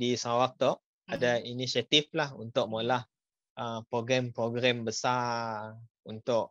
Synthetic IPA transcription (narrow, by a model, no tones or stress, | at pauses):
disawak̚t̪ɔʔ | adainisiat̪iflahunt̪ʊʔ̚molah | ʔəpɾoɡɾɛmpɾoɡɾɛmbəsa | unt̪ʊʔ